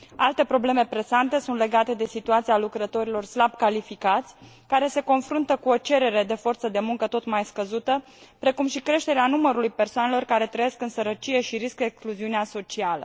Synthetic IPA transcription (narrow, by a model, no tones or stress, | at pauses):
alt̪e̞pɾo̞ble̞me̞pɾe̞sant̪e̞sunt̪le̞ɡat̪e̞d̪e̞sit̪uat̪sialukɾət̪o̞ɾilo̞rslab̚kalifikat̪sʲ | kaɾe̞se̞ko̞nfɾunt̪əkuo̞t͡ʃe̞ɾe̞ɾe̞d̪e̞fo̞rt̪səd̪e̞muŋkət̪o̞t̪majskəzut̪ə | pɾe̞kumʃikɾe̞ʃt̪e̞ɾeanuməɾulujpe̞rsoane̞lo̞rkaɾe̞t̪ɾəjeskɨnsəɾət͡ʃije̞ʃiɾiskekskluziuneaso̞t͡ʃialə̰